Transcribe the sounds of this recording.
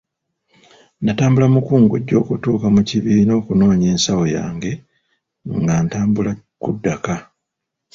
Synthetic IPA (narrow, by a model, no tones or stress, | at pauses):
nataːmbulamukuːŋɡuɟːo̞ːkutuːkamuciβiino̞ːkuno̞ːɲe̞ːnsawo̞ja̰ːŋɡe̞ | ŋɡaːntaːmbula | kudːaka